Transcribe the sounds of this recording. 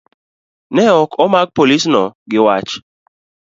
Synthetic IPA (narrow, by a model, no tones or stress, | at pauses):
nɛɔkʰɔmaɡ̚polisnɔɡɪwat͡ʃ